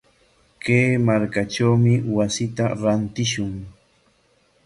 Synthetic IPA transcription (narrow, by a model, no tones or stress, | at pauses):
keːmaɾkaʈ͡ʂawmɪwasɪt̪aɾant̪ɪʃʊŋ